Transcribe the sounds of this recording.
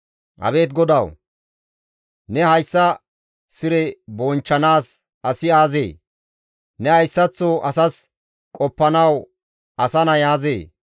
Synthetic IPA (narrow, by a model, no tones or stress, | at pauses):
ʔɐ̰be̞ːt̪ɡɔd̪ɐw | nɛhɐjsːɐ | sɪɾɛbɔːnt͡ʃːɐnaːs | ʔɐsɪaːzḛː | nɛɐjsːɐt͡sːoʔɐsɐs | kʼɔpːɐnɐw | ʔɐsɐnɐjaːzḛː